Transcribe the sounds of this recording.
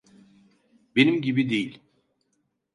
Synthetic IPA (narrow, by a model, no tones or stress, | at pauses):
benimɟibid̪ejilʲ